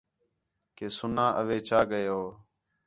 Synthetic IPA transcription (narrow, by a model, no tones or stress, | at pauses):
keːsʊnãːʔəʋeːt͡ʃaːɡəjoː